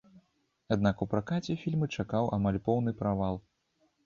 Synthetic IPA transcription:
ad̪nakupɾakat͡sʲɛfʲilʲmɨt͡ʂakawʔamalʲpɔwn̪ɨpɾavalˠ

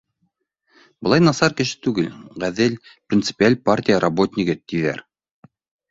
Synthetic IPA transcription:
bɤ̆lˠɑjnɑsɑɾkɘ̆ʃɘ̥t̪ʉɡɘlʁæðɘlprʲɪnt̪sɨ̥pʲialʲpartʲijəɾʔɐbot̪ʲnʲikɘt̪iðæ̰ɾ

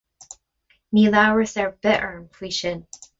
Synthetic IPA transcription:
milaɹəsə˞bɪɾə˞ɨ̃mpʰl̥iʃɨ̃n

